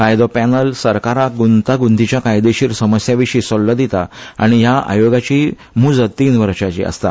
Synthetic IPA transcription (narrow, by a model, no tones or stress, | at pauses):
kajd̪ɔpɛnəlsəɾkaɾaɡunt̪aɡund̪it͡ɕjakajd̪eɕiːɾsəməsjaʋiʂiːsɔlləd̪it̪a̰a̰ɽ̃ijaa̰joɡat͡ɕiː | mud͡zət̪iːnʋəɾɕat͡ɕḭə̰st̪a̰